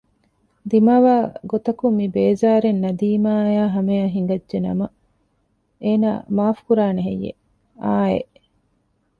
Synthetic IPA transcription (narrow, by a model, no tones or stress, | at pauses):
d̪imaːʋaːɡot̪ɐkumːibeːzaːɾenːɐd̪iːmaːjaːɦɐmejɐɦiŋ̆ɡɐdʒenɐ̰mɐ | eːna̰ːmaːfkuɾaːneɦejːḛ | ʔaːḛʔ